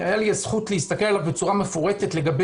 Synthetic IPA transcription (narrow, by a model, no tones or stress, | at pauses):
ajaliazχut̪leist̪akelalavbet͡suʁame̞fuʁe̞t̪etle̞ɡabe